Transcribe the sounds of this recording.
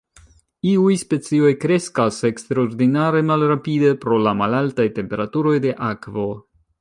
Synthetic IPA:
iujspe̞t͡sio̞jkɾe̞skase̞kstɾaoɾdinaɾe̞malɾapide̞pɾo̞lamalaltajte̞mpe̞ɾatuɾo̞jde̞ʔakvo̞

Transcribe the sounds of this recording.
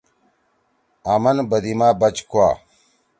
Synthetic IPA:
amɐnbɐd̪imaːbɐt͡ɕkua̰ː

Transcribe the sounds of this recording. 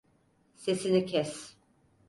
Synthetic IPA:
se̞sinicʰɛs

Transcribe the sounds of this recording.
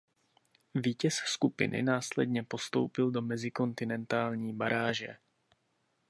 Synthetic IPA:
viːcɛsskupɪ̰nʔɪ̰naːslɛdɲɛpo̞st̪o̰wpɪldo̞mɛzɪko̞nt̪ɪnɛnt̪aːlɲiːbaɾaːʒɛ̰

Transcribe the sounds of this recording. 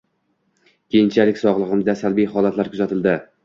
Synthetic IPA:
kʲʰe̞jɪnt͡ʃʰalɪkʲsɒʁlˠɨʁɨmd̪asalbijhɒlat̪laɾkʰʊzat̪ʰɪld̪ɪ

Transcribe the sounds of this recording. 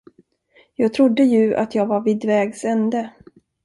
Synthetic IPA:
jɑːɡ̚t̪ʰɾʊd̪ːəjɵa̰t̪ʰjɑːɡvaɾvid̪vɛːɡsɛnd̪ə

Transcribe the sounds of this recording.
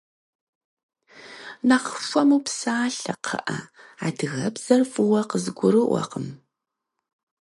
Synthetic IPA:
naqʃʷʼɐmuːpsaːɬɐqʰɐ̰ʔɐaːdɨɣɐbz̥ɐrfʼɨwɐqəzɨɡʷʊɾɨʔʷɐ̰qəm

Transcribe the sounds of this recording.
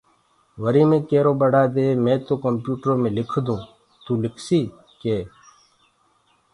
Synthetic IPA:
ʋəɾiːmẽːkeːɾoːbəɽaːd̪eːmẽːt̪oːkəmpjuːʈəɾõːmẽːlɪkʰd̪ũː | t̪uːlɪkʰsiː | keː

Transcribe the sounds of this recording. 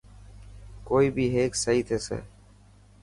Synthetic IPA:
koːiːbʱiːɦeːksəɦiːt̪ʰeːsḛː

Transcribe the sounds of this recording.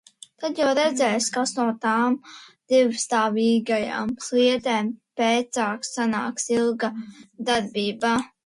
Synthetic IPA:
t̪ad̪jawɾɛd̪zʲɛjskasnuɔt̪aːmd̪̥ivst̪aːviːɡaja̰ːmsliɛt̪ɛːmpeːt̪saːksanaːksilˠɡad̪aɾbʲiːbaː

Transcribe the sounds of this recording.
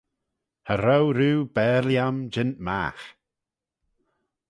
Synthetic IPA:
həɾawɾuːbɛːɾljamd͡ʒɪntma̰ːx

